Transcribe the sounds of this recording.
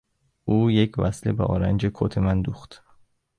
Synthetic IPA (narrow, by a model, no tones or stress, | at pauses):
ʔuːjecʰvæslebḛʔɒːɾænd͡ʒekʰo̰t̪ʰemænd̪uːxt̪